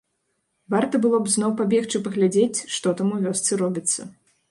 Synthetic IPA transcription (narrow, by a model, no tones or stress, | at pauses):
vart̪ɐbɨlˠɔpznɔwpabʲɛxt͡ʂɨpɐɣlʲad͡zʲet͡sʲʂt̪ɔt̪amuvʲɔst̪sɨɾɔbʲit̪sːɐ